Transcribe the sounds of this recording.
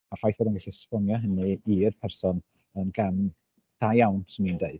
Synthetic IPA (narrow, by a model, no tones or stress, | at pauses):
afajθboːdɛnɡaɬispɔnjɔɦənɨirpʰɛrsɔn | ənɡam | d̥ajawnsɪnindeɨd̥